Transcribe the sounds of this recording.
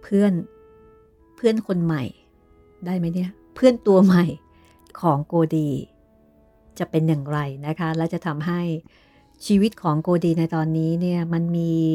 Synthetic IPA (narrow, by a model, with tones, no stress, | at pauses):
pʰɯ˥˩ən | pʰɯ˥˩ənkʰo˧nma˨˩j | daː˥˩jma˦˥jni˥˩ɐ | pʰɯ˥˩ənt̪u˧ɐma˨˩j | kʰɔː˩˦ŋkoː˧diː˧ | t͡ɕa˨˩pe˧nja˨˩ŋɾa˧jna˦˥kʰa˦˥lɛ˦˥wt͡ɕa˨˩t̪ʰa˧mɦa˥˩j | t͡ɕʰiː˧wi˦˥t̪̚kʰɔː˩˦ŋkoː˧diː˧na˧jt̪ɔː˧nːiː˦˥ni˥˩ɐma˧nmiː˧